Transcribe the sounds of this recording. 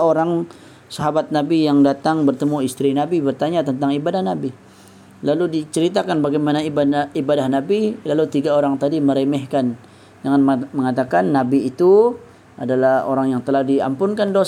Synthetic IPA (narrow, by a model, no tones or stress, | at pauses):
oɾaŋ | saɦabat̪̚nabijaŋdat̪aŋbərt̪əmuist̪ɾinabibərt̪aɲat̪ənt̪aŋibadahnabi | laludit͡ʃəɾit̪akanbaɡajmanaibaibadahnabilalut̪iɡaoɾaŋt̪adiməɾemɛhkan | d͡ʒaŋanmməŋat̪akanːabiːt̪u | adalaho̰ɾaŋjaŋt̪əlahdia̰mpʊnkandos